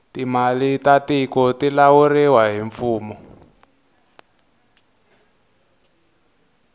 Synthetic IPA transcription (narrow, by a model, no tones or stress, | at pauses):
timalitatikɔtilawuriwaɦiɱfuːmɔ